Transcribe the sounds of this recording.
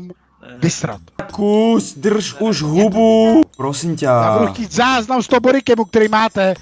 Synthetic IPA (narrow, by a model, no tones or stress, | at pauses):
m | vɪst̪ɾa̰t̪kusd̪r̩ʃuʒɦubupɾosimcaabuduxciːt̪zaːznamst̪oboɾikɛmuk̚t̪ɛɾiːmaːt̪ɛ